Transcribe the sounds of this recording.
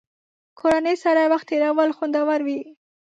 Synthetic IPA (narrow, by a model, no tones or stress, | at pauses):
kʰoɾanəjsaɾawaxt̪eɾɑwəlxond̪awaɾwi